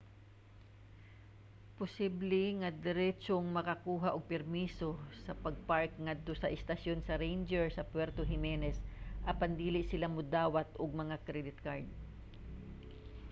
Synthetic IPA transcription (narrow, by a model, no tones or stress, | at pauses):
pʊsiblɛŋɐd̪ɛɾɛt͡ʃoŋmɐkɐkuːɦaʔoɡ̚pɛɾmiːso̞sɐpɐɡ̚paɹk̚ŋad̪̚t̪o̞sɐʔɪst̪ɐsjonsɐɾejnd͡ʒɛɹsɐpwɛɾt̪oɦɪmɛnɛsʔɐpɐnd̪iːlɪʔsɪlamʊd̪aːwat̪ʔoɡ̚mɐŋakɾɛd̪ɪt̪̚kaɹd̪̚